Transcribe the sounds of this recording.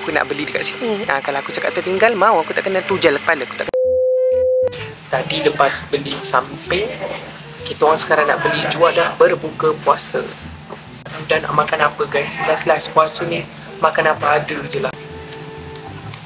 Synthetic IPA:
akuna̰ʔbəlidəkaʔsiniəkalawakut͡ʃaka̰ʔt̪ərt̪iŋɡalmãwakut̪a̰ʔkənət̪ud͡ʒalakə̥palaaku̥t̪aʔk | t̪adiləpasbəlisampə | kit̪aoŋaŋsə̥kaɾaŋna̰ʔbəlid͡ʒuadahbərbukəpuasə̰ | dana̰ʔmãkanapəɡansəlaslaspuasəni | makanapəadəd͡ʒəlah

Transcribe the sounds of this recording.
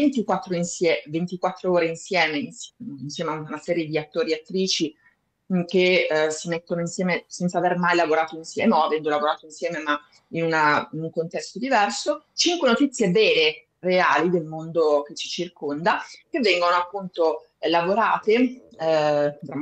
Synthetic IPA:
vent̪ikwat̪ːɾoinsjɛvent̪ikwat̪ːɾooːɾeinsjɛːmeinsinsjɛːmeaunasɛːɾjed̪iat̪ːoːɾiat̪ːɾiːt͡ʃi | kesimet̪ːonoinsjɛːmesɛnt̪savermajlavoɾaːt̪oinsjɛ̰ːmɔavɛnd̪olavoɾaːt̪oinsjɛːmema | inunainuŋkont̪ɛst̪od̪ivɛrsot͡ʃiŋkwenot̪it̪sːjebɛːle | reaːlid̪elmond̪ok̟et͡ʃːi̥t͡ʃirkond̪ak̟evːɛŋɡonoapːunt̪o | lavoɾaːt̪e | d̪ɾa

